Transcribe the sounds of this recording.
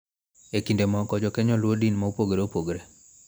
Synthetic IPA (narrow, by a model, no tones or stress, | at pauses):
ekindemɔkɔd͡ʒɔkɛɲɔlwodinmaupoɡɾeopoɡɾe